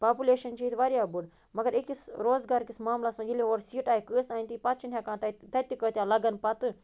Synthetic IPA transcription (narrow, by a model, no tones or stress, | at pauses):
paːpuleːʃɐnt͡ʃiːt̪ʋaɾjaːbuɽ | mɐɡɐɾikisɾoːzɡaːɾkismaːmlasmãd͡ʒileoːɾsiːʈaːikəːst̪aːint̪ipɐt̪̚t͡ʃʰinʰʲjaːkãːt̪ɐt̪ɐt̪ʲikəːt̪ʲjaːlɐɡɐnpɐt̪ɨ